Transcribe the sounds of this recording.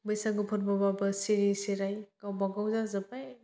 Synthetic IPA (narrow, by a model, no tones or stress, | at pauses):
bɯjsaɡɯpʰɔt̚bababɐsiɾiseɾajkawbaɡawzazɐbaj